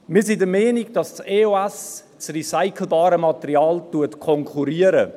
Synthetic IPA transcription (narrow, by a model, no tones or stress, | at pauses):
miːsɪndəmɛːniɡ̚d̥ɑsseːoɛs | t͡srisaɪkʰl̩bɑːɾəmɑtɛɾiɑːltuɐtkʰɔŋkʰuɾiəɾə